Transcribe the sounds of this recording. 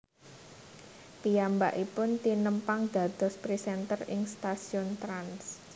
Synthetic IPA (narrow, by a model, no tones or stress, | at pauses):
pijambaʔipʊnt̪inəmpaŋd̪̥ä̤d̪̥ɔ̤spɾisɛnt̪ərɪ̰ŋst̪asiɔnt̪ɾans